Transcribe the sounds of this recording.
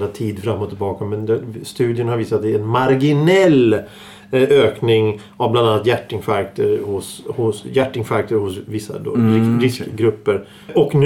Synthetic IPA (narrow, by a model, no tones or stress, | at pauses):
at̪ʰiːd̪fɾamːɔt̪ʰɪlbɑːkamːɛnɛst̪ʉ̟ːd̪ɪənhaɾviːsat̪̚d̪ɛɛnmaɾɡɪnɛl | øːknɪŋ | avbland̪anːat̪jæʈːɪŋfæɾk̚t̪ʰəɾhʊshʊsjæʈːɪŋfæɾk̚t̪əɾhʊsvɪsːa̰d̪o̰ːɪɾɪsɡɾɵpːəɾ | ʔɔkn